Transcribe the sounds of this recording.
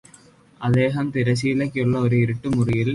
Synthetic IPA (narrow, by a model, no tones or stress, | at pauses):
ɐd̪eːɦɐmt̪iɾɐs̬iːlɐkːuɭːɐoɾɯiɾuʈːumurijil